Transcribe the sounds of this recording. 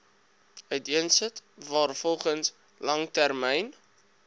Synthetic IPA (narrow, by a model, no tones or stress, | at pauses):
œɥtiənsətvɑːrfɔlˠχəns | lɐŋtærmɛjn